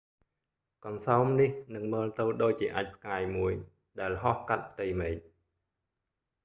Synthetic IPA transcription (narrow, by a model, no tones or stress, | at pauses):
kɑnsaɔmnihnɨŋməːlt̪ɨwɗoːc̚t͡ɕiəʔaːc̚pʰkaːjmuəj | ɗaɛlɦɑhkat̪̚pʰt̪ɨjmeːc̚